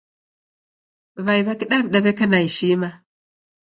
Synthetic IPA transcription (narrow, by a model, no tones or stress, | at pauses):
vajβakiɗabɗabekanajiʃima